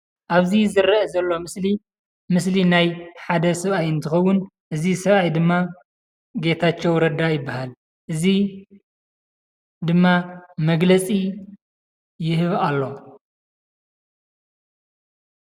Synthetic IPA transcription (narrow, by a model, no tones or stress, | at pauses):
ʔaβzizɨɾɐezɐlːo̞mɨsli | mɨslinajħad̪ɐsɐβajɨnt̪ʰɨxɐwːʊn | ʔɨzisɐβajd̪ɨmːa | ɡe̞t̪ʰat͡ʃːewɾɐd̪ajɪbːahal | ʔɨzi | d̪ɨmːamɐɡlɐt͡sʼi | jɪhɨβalːo̞